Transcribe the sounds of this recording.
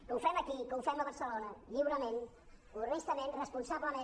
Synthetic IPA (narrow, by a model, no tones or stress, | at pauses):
kəufɛməkikəufɛməβəɾsəlonəʎiwɾəmẽn | unest̪əmenrəspunsabləmẽ